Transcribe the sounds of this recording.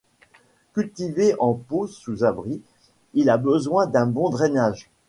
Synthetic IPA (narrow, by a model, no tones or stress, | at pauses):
kʲylt̪iveʔɑ̃posuzabʁi | ilabəzwɛ̃d̪ɛ̃bɔ̃d̪ʁɛnaːʒ